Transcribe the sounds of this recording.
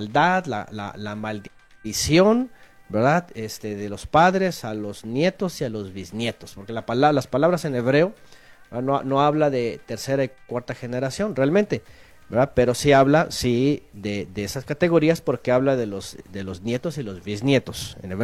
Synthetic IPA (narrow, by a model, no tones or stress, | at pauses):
ld̪aðla̰la̰lamald̪ | isjo̞n | be̞ɾðaðest̪e̞ðe̞lo̞spaðɾe̞salo̞znje̞t̪o̞sialo̞zβiznje̞t̪o̞spo̞ɾke̞lapalalaspalaβɾase̞ne̞βɾe̞oɾðanono̞aβlaðet̪e̞ɾse̞ɾaikwaɾt̪axe̞ne̞ɾasjo̞nrealment̪e̞ | be̞ɾðaðpe̞ɾo̞siaβlasiðeðeesaskat̪e̞ɣo̞ɾiaspo̞ɾke̞aβlaðe̞lozd̪e̞lo̞znje̞t̪o̞silo̞zβiznje̞t̪o̞̥sḛneβɾe